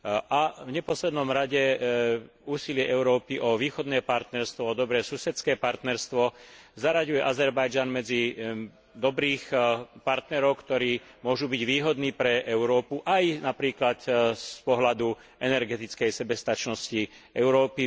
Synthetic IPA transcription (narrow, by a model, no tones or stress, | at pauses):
ʔavɲɛpɔslɛd̪nɔmɾaɟɛ | uːsilɪɛʔɛʊɾɔːpiʔɔʋiːxɔd̪nɛːpaɾt̪nɛɾst̪ʋɔɔd̪ɔbɾɛːsusɛt͡skɛːpaɾt̪nɛɾst̪ʋɔzaɾaɟujɛʔazɛɾbajd͡ʒanmɛd͡zi | d̪ɔbɾiːxpaɾt̪nɛɾɔʊkt̪ɔɾiːmʊɔʒubiɟʋiːɦɔd̪niːpɾɛɛʊɾɔːpuʔajnapɾiːklat̪spɔɦlad̪u | ɛnɛɾɡɛt̪it͡skɛjsɛbɛst̪at͡ʃnɔsci | ɛʊɾɔːpi